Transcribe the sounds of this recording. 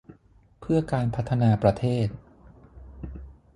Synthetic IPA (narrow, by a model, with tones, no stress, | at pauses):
pʰɯ˥˩ɐkaː˧npʰa˦˥t̪ʰːa˧naː˧pɾa˧t̪ʰeː˥˩t̪̚